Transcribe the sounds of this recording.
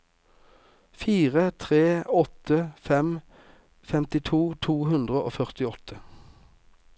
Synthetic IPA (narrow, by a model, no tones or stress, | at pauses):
fiːʁət̪ʰʁeːɔt̪ʰəfɛm | fɛmt̪ɪt̪ʰuːt̪ʰuːɦʉnd̪ʁəʔo̰ːfœʁt̪ɪɔt̪ʰə